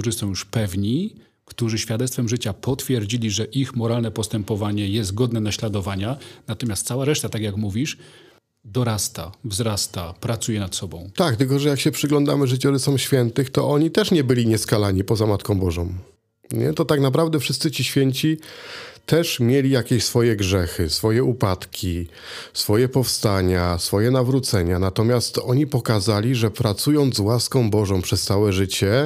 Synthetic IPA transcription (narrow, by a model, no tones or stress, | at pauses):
uʐɘsɔ̃w̃juʂpɛvɲi | kt̪uʐɘɕfʲjad̪ɛt̪t̪fɛmʐɘt͡ɕapʰɔt̪fʲjɛɾd͡ʑilʲiʐɛʔixmɔɾalnɛpɔst̪ɛmpɔvaɲɛjɛst̪ɡɔd̪nɛnaɕlad̪ɔvaɲanat̪ɔmʲjast̪sawaɾɛʂt̪at̪akʲjakmuvʲiʂ | d̪ɔɾast̪avzɾast̪apɾat̪sujɛnat̪sɔbɔ̃w̃t̪ak̚t̪ɘlkɔʐɛjakɕɛpʂɘɡlɔ̃nd̪a̰mɘʐɘt͡ɕɔʐɘsɔ̃mɕfʲjɛnt̪ɘxt̪ɔʔɔɲit̪ɛʂɲɛbɘlʲiɲɛskalaɲipɔzamat̪kɔ̃w̃bɔʐɔ̰̃w̃ | ɲɛ̰t̪ɔt̪aknap̬ɾavd̪ɛfʂɘst̪sɘt͡ɕiɕfʲjɛɲt͡ɕi | t̪ɛʂmʲjelʲijakʲeɕsfɔjɛɡʐɛxɘsfɔjɛupat̪kʲi | sfɔjɛpɔfst̪aɲasfɔjɛnavɾut̪sɛɲanat̪ɔmʲjast̪ɔɲipɔkazalʲiʐɛpɾat̪sujɔnd̪zwaskɔ̃w̃bɔʐɔ̃w̃pʂɛst̪sawɛʐɘt͡ɕɛ